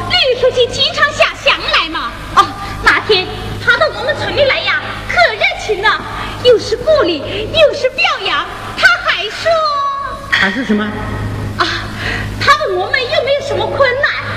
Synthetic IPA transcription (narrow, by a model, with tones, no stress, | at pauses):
ly˥˩˧kʰu˧˥t͡ɕʰi˥t͡ɕi˥ŋʈ͡ʂʰɑ˧˥ŋɕjɑ˨˩ɕjɑ˨˩˥ŋla˧˥ɪmɐ˧ | ə˥˩ | na˨˩t̪ʰjɛ˥n | t̪ʰa˥d̪ə˨mwɔ˧˥mə˧˨nt͡sʰwə˧˥nli˥˩la˧˥ɪjɑ˨˩ŋ | kʰɤ˥˨˩ɻə˥˩nt͡ɕʰi˧˥ŋd̪ə˧ | jo˥˧ʊʂɻ̩˥˧ku˥˧li˨˩jo˥˧ʊʂɻ̩˥˧pjɑ˥˩ʊjɑ˧˥ŋ | t̪ʰa˥xʰa˨˧˩ɪʂɔ˥ | a˧˥ʂ̩˥˩ʂə˨˩˦mə˧ə˥˩ | t̪ʰa˥d̪ə˨mwɔ˧˥mə˨˧njo˥˩ʊme˧˥ɪjo˨˩ʊʂə˧˥nmə˧kʰwə˥nːa˥˩n